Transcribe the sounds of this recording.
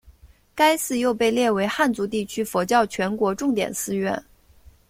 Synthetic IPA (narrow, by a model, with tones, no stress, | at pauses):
ka˥ɪsɹ̩˥˧jo˥˧ʊpe˥˧ɪljɛ˥˩we˧˥ɪxa˥˩nt͡su˧˥t̪i˥˩t͡ɕʰy˥fɔ˧˥t͡ɕjɑ˥˩ʊt͡ɕʰɥɛ˧˥nkwɔ˧˥ʈ͡ʂʊ˥˩ŋt̪jɛ̰˨˩nsɹ̩˥ɥɛ˥˩n